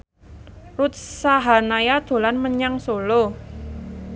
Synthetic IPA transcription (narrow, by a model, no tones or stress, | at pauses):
rut̪̚saɦanajad̪̥o̤lanməɲaŋsolo